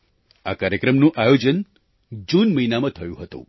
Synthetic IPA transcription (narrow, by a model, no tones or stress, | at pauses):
akaɾjəkɾəmnũʔajod͡ʒən | d͡ʒunməinamãt̪ʰəjũɦət̪ṵ̃